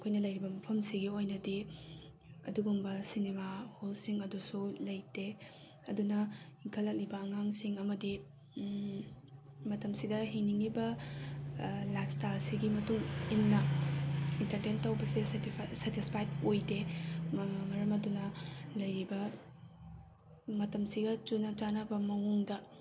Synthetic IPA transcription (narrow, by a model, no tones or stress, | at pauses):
ɐkʰojnɐlɐjɾibɐmɐpʰɐmsiɡiojnɐdi | ɐ̰duɡumbɐsinemaholsiŋɐdusulɐjde | ɐdunɐiŋkʰɐlːɐk̚libɐːŋaŋsiŋɐmɐdi | mɐtɐmsidɐɦiŋniŋlibɐ | lajp̚ʰstajlsiɡimɐtuŋimnɐ | intɐɾdentɐwbɐsisetispʰajt̚ojde | mɐɾɐmɐdunɐlɐjɾibɐ | mɐtɐmsiɡɐt͡ʃunɐt͡ʃanɐbɐmɐŋuŋdɐ